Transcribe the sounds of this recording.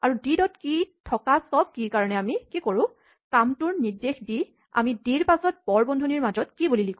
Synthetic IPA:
aɹudidɔtkitʰɔkasɔb̚kikaɹɔnɛamikikoɹʊ̃ | kamtʊɹnidexdi | a̰midiɹpasɔt̚b̥ɔɹbɔndʱɔniɹmazɔtkibulilikʊ̃

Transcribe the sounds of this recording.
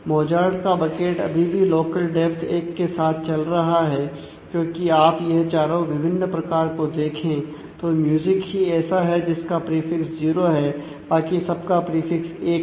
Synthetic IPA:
moːd͡ʒaːɾɖkabɐkeːʈɐ̰bʱibʱiloːkəlɖɛpʰt̪ʰeːkːesaːt̪ʰt͡ʃɐlɾɐɦaɦɛː | kjõːkiaːpjɛɦt͡ʃaːɾõʋɪbʱɪnːpɾɐkaːɾkod̪eːkʰẽː | t̪oːmjuːzɪkɦiɛːsaɦɛd͡ʒɪskapɾiːfɪksziːɾoɦɛ | baːkisɐb̚kapɾiːfɪkseːk

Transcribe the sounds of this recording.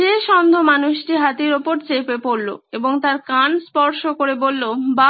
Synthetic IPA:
eʃɔnd̪ʱomanuʃʈiɦat̪iɾopoɾt͡ɕepepoɾlo̰eboŋt̪aɾkanspɔɾʃokoɾebolːoba

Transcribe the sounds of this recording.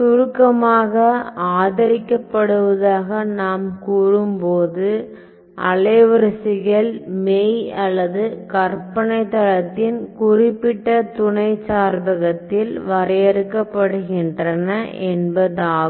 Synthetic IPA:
sʊɾɯkːɐmaːɣɐaːðɐɾɪkːɐpːɐɽɯʋɐðaːɣɐnaːmkuːrɯmpoːðɯ | ʔɐlɐʋɐɾɐsɪɣɐɭmɛjɐlːɐðɯkɐrpɐɳɐɪt̪ːɐɻɐt̪ːɪnkʊrɪpːɪʈːɐt̪ʊɳɐɪt͡ʃːaːɾbɐɣɐt̪ːɪlʋɐɾɐjɛɾɯkːɐpːɐɽɯɣɪndrɐnɐʔɛnbɐðaː

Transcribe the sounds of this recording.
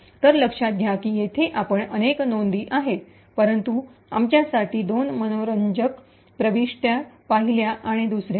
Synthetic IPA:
t̪əɾləkʂad̪ʱjakiːjet̪ʰeʔapəɳəneknond̪iːʔaɦe | pəɾənt̪uamt͡ɕjasaʈiːd̪onmənoɾəɲd͡ʑək | pɾəʋiʂʈjapaɦiljaʔaɽ̃id̪usɾja

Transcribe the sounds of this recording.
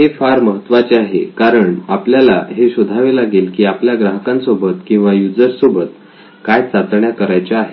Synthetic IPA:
ɦefaɾməɦət̪ːʋat͡ɕeaɦekaɾəɳapljalaɦeɕud̪ʱaʋelaɡilkiːapljaɡɾaɦəkãnsobət̪kĩw̃ʋajud͡zəɾsobʱət̪ | kajt͡sat͡s̪ɳjakəɾajt͡ɕaaɦe

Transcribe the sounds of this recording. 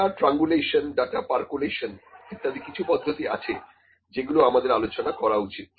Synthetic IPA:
aʈɾaŋɡuleʃonɖaʈapaɾkuleʃonkʰet̪ːad̪ikit͡ɕʰupɔd̪ʱːot̪ia̰t͡ɕʰe | d͡ʑeɡuloamad̪eɾalot͡ɕonakɔɾaut͡ɕit̪̚

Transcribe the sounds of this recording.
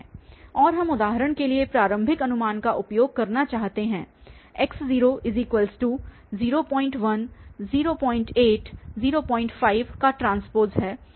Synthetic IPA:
ɔːɾɦɐmʊd̪aːɦəɾəɽ̃keliepɾaːɾə̃mbʱɪkɐnʊmaːnkaʔʊpjoːɡ̚kɐɾnat͡ʃaːɦt̪eɦɛ̃ːɪksziːɾoʔɪziːkwʋəlsʈuː | ziːɾopɔ̃ːɪ̃ɳʈʋɐnziːɾopɔ̃ːɪ̃ɳʈeːʈziːɾopɔ̃ːɪ̃ɳʈfaːɪʋkaʈɾãːnspoːɾzɦɛː

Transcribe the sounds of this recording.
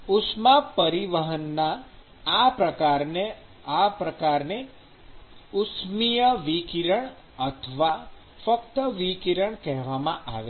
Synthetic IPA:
ʊsmapəɾiʋəɦənːaː | pɾəkaɾne | apɾəkaɾne | ʊsmijəʋikiɾəɳ | ət̪ʰəʋa | fəkt̪əʋikiɾəɳkɛɦʋamãʔa̰ʋe

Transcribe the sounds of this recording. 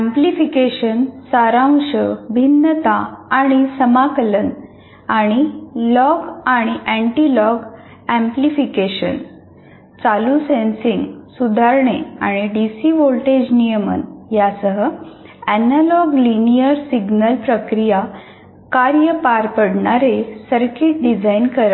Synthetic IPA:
æ̃mplifikeɕənsaɾãw̃ɕəbʱinːət̪aːɽ̃isəmakələn | aɽ̃ilɔɡaɽ̃iʔæ̃ɳʈilɔɡ | æ̃mplifikeɕə̰n | t͡salusẽnsĩŋɡsud̪ʱaɾɳea̰ɽ̃iɖisiʋolʈed͡ʑnijəmə̰njasəɦə | ænalɔɡlinijəɾsiɡnəlpɾəkɾija | kaɾjəpaɾpəɽɳaɾesəɾkiʈ̚ɖid͡zainkəɾa

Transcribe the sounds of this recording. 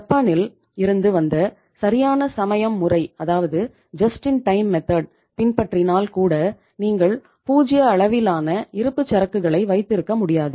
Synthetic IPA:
ɐpːaːnɪl | ɪɾɯnd̪ɯʋɐnd̪ɐ | sɐɾɪjaːnɐsɐmɐjɐmːʊrɐɪɐðaːʋɐðɯ | d͡ʒɐsʈɪnʈɐɪmːɛt̪ɐɖ̚ | pɪnpɐʈrɪnaːlkuːɽɐ | niːŋɡɐɭ | puːd͡ʒɪjɐːɭɐʋɪlaːnɐɪɾɯpːɯt͡ʃːɐɾɐkːɯɣɐɭɐɪʋɐɪt̪ːɪɾɯkːɐmʊɽɪjaːðɯ

